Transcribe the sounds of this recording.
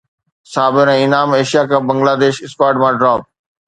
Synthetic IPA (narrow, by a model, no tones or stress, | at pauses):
saːbɪɾɛ̃ːɪnaːmeːʃijaːkãːbə̃ŋɡlaːd̪eːʃɪskaːʈmãːɖɾaːp̚